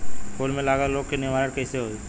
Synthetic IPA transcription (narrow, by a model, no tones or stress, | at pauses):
koːlmẽlaːɡaloːɡkenɪmaːɾəʈkɛːseɦoː